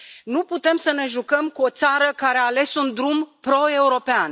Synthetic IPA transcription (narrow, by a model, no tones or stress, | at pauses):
nuput̪e̞msəne̞ʒukəmkuo̞t̪saɾəkaɾeaːle̞sund̪ɾumpɾo̞e̞uɾo̞pean